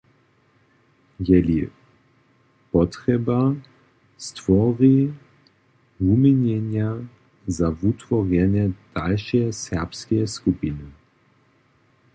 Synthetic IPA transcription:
jɛli | pɔt̪ʁɛba | st̪vɔʁi | vumiɲɛnja | zavut̪vɔʁjɛnjɛd̪̥alʃɛsɛʁpskɛɛskupinɨ

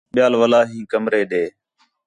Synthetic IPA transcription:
ɓɪjaːlʋəlaːɦĩːkəmɾeːɗeː

